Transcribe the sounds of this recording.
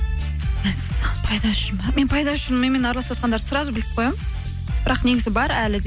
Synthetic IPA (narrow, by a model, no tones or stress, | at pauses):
menpʰɑjd̪ɑʃɪnmɑme̞npʰɑjd̪ɑʃɪnmejme̞nɑɾɑlˠɑswot̪qɑnd̪ɑɾə̥sʊɾɑzbɪlɪp̚qʰojɑm | b̥ɪɾɑqne̞ɡʲɪzɪbɑɾælɪd̪